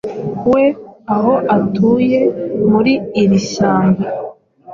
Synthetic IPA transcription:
we̞aɦo̞ʔatʰuːje̞muɾiːɾiʃaːŋɡa

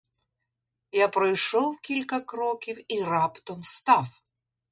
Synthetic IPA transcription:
japɾɐjʂɔwˠkʲilʲkɐkɾɔkʲifirapt̪ɔmst̪af

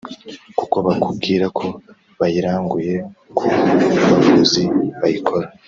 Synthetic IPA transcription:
kuko̞βakub̚ɡiːɾakʰo̞ | βajiɾaːŋɡuje̞kʰuβaβuziβajikʰo̞ɾa

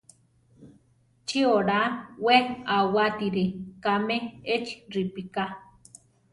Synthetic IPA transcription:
t͡ʃioɾanwenawat̪iɾikameet͡ʃi̥ɾipika

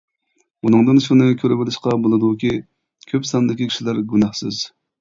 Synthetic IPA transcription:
unɨŋd̪ɨnʃunɨkʲʰøɾɪbɪlɪʃqɑbolˠɨd̪ukʲi | kʲʰøpsɑnd̪ɪkʲikʲʰi̥ʃilæɾɡʲunɑχsɨz̥

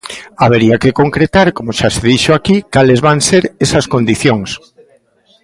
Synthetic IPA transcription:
aβeɾiakekoŋkɾet̪aɾkomoʃaseðiʃoakikalezβaŋseɾesɐskond̪iθjoŋs

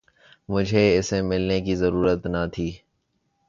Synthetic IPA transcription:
mʊd͡ʒʱeɪsemɪlnekizɐɾuːɾət̪nat̪ʰiː

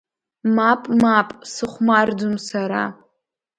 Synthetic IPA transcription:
mapʼmapʼsɨχʷmardʊmsaɾa̰

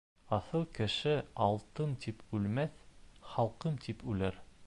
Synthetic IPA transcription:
ɑθɤlˠkɘ̆ʃɘɑlˠt̪ɤmt̪ʰipʉlmæθχɑlˠqɤmt̪ʰipʉlæɾ

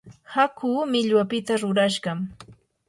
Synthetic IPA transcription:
hakʰuːmɪʎwapɪt̪aɾʊɾaʃɢɑm

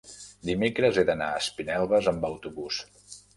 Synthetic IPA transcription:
d̪imekɾəzeðəna̰əspinɛlˠβəzəmbəwt̪uβus

